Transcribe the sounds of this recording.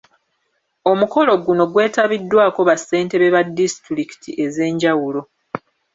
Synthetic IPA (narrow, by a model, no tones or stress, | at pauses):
o̞muko̞lo̞ɡuno̞ɡwe̞ːtaβidːwaːko̞βasːe̞ːnte̞βe̞βadːistɾiki̥tʰiʔe̞ze̞ːɲɟawulo̞